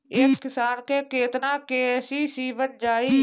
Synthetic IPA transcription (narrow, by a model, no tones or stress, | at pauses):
ɪskɪsaːnkeːkeːt̪nãːkeːsiːsiːʋət̪̚d͡ʒaːiː